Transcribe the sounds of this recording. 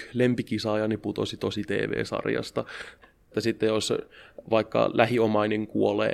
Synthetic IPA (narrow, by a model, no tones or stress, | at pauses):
lempikisɑːjɑniput̪osit̪osit̪ḛːʋḛːsɑ̰rjɑ̰st̪ɑet̪ːæsit̪ːejosʋɑikːɑ̰lʔæhiomɑineŋkuolḛː